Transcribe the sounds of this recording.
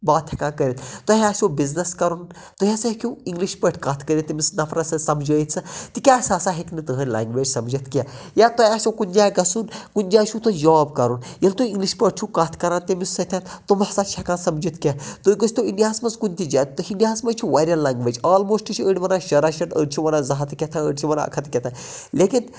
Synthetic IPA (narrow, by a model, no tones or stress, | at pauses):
baːt̪ʰʲɐkãːkəɾit̪ʰt̪ɐɦaːsʲobiznɐskɐɾun | t̪oɦʲasɐkʰʲuiŋɡliʃpəʈʰʲkɐt̪ʰkəɾʲit̪ːimisnɐfʰɾɐsɐsɐmd͡ʒəːjt̪t͡sʰɨt̪ikʲaːsaːsaɦeknit̪ɨɦənʲla̰ːŋɡʋeːd͡ʒsɐmd͡ʒit̪ʰkʲajat̪ɐaːsʲokunʲd͡ʒaːɡɐsunkunʲd͡ʒaːt͡ʃʰut̪ojaːbkɐɾunjɐlt̪uiŋɡliʃpəʈ̚t͡ʃʰukat̪ʰkɐɾãːnt̪ʲemisɐt̪ʰʲãt̪t̪omɐsaːʃʰɐkãːnsɐmd͡ʒit̪ʰkʲjat̪uɡəst̪oinɖiɦaːsmɐzkunʲt̪id͡ʒat̪t̪ɨɦinɖiɦaːsmɐt͡ʃʰuʋaɾʲjɐnlaːŋɡʋeːd͡ʒaːlmoːsʈit͡ʃʰiəɽʲʋɐnaːʃɐɾaːʃɐʈə̰ɽ̚ʲt͡ʃʰiʋɐnaːzɐɦɐt̪kʲɐt̪ʰaəɖʲt͡ʃʰiʋɐna̰ɐ̰kʰɐt̪kʲɐt̪ʰa | leːkin